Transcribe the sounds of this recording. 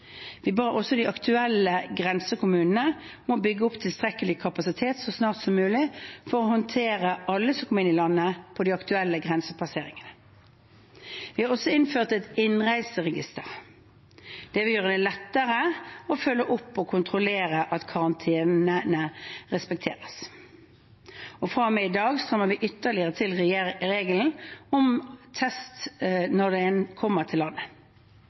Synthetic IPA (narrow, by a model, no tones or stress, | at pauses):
ʋɪbɑːʁəʔɔsːɔd̪iʔɑkt̪ʰʉɛləɡʁɛnsəkʊmʉːnənəmɔbʏɡːəɔpt̪ʰɪlst̪ʁɛkəlɪkʰɑpɑsɪt̪ʰeːt̪sɔsnɑːʁt̪sɔmːʉːlɪfɔʁɔhɔnt̪ʰeːʁəʔɑlːəsɔmkʰɔməɪnɪlɑnːəpʰɔd̪ɪɑkt̪ʉɛlːəɡʁɛnsəpʰɑseːʁɪŋənə | ʋɪhɑʁɔsɔɪnføːʁt̪ɛt̪ɪnʁæɪsəʁɛɡɪst̪əʁ | d̪̥ɛʋɪljøːʁəd̪ɛlɛt̪ːəʁəɔføːlːəʔɔpːɔkʰʊnt̪ʰʁʊleːɾəʔɑt̪kʰɑʁɑnt̪ʰeːnnəəʁɛspɛk̚t̪ʰḛːʁəs | ɔfɾɑmɛɪd̪ɑːɡst̪ʁɛmːəʁʋɪʔʏt̪ːəʁlɪəʁət̪ʰɪlʁɾeːɡəln̩ɔmt̪ʰɛst̪nɔd̪ɛɛnkʰɔmːəʁt̪ʰɪlːɑnːə